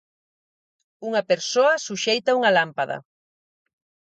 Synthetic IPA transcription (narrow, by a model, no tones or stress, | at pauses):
uŋɐpeɾsoɐsuʃejt̪ɐuŋɐlampaðɐ̰